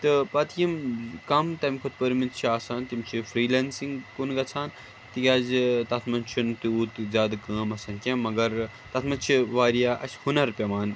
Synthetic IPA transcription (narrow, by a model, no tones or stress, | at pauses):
t̪ɨpɐt̪ʰjimkɐmt̪ɐmʲkʰot̪̚ʰpəɾmit̪t͡ʃʰaːsaːnt̪imt͡ʃʰifɾiːlansiŋɡkunɡɐt͡sʰaːn | t̪ikʲaːzt̪ɐt̪ʰmɐnt͡ʃʰunt̪iuːt̪zʲaːd̪kɐːmɐsɐnkʲemːɐɡɐɾ | t̪ɐt̪ʰmɐt͡ʃʰiʋaːɾijaːʔɐ̰t͡ʃhunɐɾpʲɐmaːn